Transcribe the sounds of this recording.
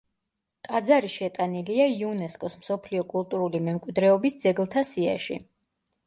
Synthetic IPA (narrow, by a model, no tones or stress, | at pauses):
kʼad̪zaɾiʃɛt̪ʼaniliaiunɛskʼɔsmsɔpʰliɔkʼulˠt̪ʼuɾulimɛmkʼwid̪ɾɛɔbisd̪zɛɡlˠt̪ʰasia̰ʃḭ